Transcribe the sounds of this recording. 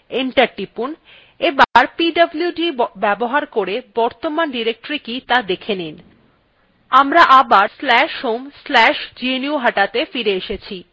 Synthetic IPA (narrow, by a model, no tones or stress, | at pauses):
eɳʈaɾʈipun | ebaɾpiɖɐblijuɖibɛboɦaɾkoɾebɔɾt̪omanɖiɾek̚ʈɾikit̪ad̪ekʰenin | amɾaʔabaɾslɛʃhomslɛʃd͡ʑieniuɦaʈat̪efiɾeeʃet͡ɕʰi